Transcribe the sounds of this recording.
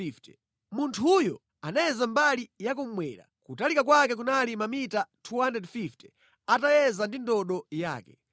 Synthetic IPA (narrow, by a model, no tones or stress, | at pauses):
ftɛ̥ | muntʰujɔ̰ | anajɛzambalijak̬um̩mwɛ̰ɾa̰kutalikakwakɛk̬unalimamitatʰuhandɛdfiftɛ̥ | atajɛzandindɔɗɔja̰ːkɛ